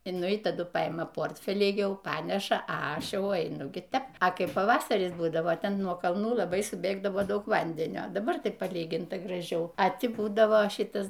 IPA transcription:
ɪ ˈnʊ ɪ tɐˈdʊ pɐˈɪmɐ ˈpoːrʲtʲfʲɛlʲiː ˈjɛʊ ˈpɑːnʲɛʃɐ ɐ ˈɐʃ ˈjɛʊ ɛɪˈnʊ ˈɡʲɪ ˈtʲɛp ɐ ˈkɐɪp pɐˈʋɑːsɐrʲɪs ˈbuːdɐʋoː ˈtʲɛn nuɔ kɐlˠˈnuː ˈlˠɑːbɐɪ sʊˈbʲeːɡdɐʋoː ˈdɐʊk ˈʋɐnʲdʲɛnʲoː dɐˈbɐr tʲɪk pɐˈlʲiːɡʲɪntɐ ɡrɐˈʒʲɛʊ ɐ ˈtʲɪ ˈbuːdɐʋoː ˈʃʲɪtɐs

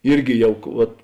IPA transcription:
ˈɪrʲɡʲɪ ˈjɛʊ ˈʋɐt

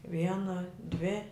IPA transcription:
ˈʋʲiɛnɐ dʲʋʲɪ

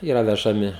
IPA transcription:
ˈiːrɐ ʋʲɛʒɐˈmʲɪ

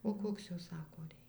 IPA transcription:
oː ˈkoːks ˈjoː ˈsɑːkoː ˈrʲɛɪ

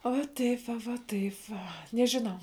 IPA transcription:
oː ʋɐ ˈtɐɪp ʋɐ ʋɐ ˈtɐɪp ʋɐ nʲɛʒʲɪˈnɐʊ

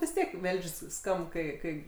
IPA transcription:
ʋʲɪs ˈtʲiɛk ˈʋʲɛlʲʃʲsʲ ˈskɐmp ˈkɐɪ ˈkɐɪ

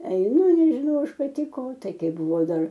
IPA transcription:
ɛɪˈnʊ ɪr nʲɛʒʲɪˈnɐʊ ˈɐʃ pɐˈtʲɪ ˈkoː ˈtɐɪ ˈkɐɪ bʊˈʋɐʊ ˈdɐr

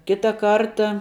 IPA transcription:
ˈkʲɪtɐ ˈkɐrtɐ

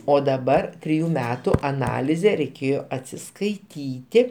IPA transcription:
oː dɐˈbɐr tʲrʲɪˈjuː ˈmʲæːtʊ ɐˈnɑːlʲɪzʲeː rʲɛɪˈkʲeːjoː ɐtʲsʲɪskɐɪˈtʲiːtʲɪ

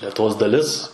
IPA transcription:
lʲɛtʊˈʋoːs dɐˈlʲɪs

